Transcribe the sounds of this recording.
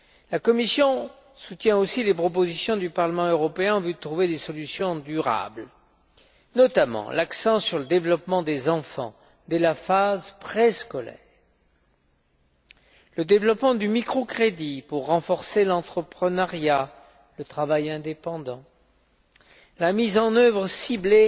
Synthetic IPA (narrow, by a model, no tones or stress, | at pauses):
lakɔmisjɔ̃ | sut̪jɛ̃osilepχɔp̬ozisjɔ̃d̪ypaʁləmɑ̃øʁɔpeɛ̃ɑ̃vyd̪ət̪χuved̪esɔlysjɔ̃d̪yʁa̰bl | nɔt̪amɑ̰̃lʔaksɑ̃syʁləd̪evlɔpmɑ̃d̪ezɑ̃fɑ̰̃ | d̪ɛlafazpχeskɔlɛ̰ːʁ | ləd̪evlɔpmɑ̃d̪ymikχokχed̪ipuʁːɑ̃fɔʁselɑ̃t̪χəpχənaʁja | lət̪χavajɛ̃d̪epɑ̃d̪ɑ̃ | lamizɑ̃nœvʁəsible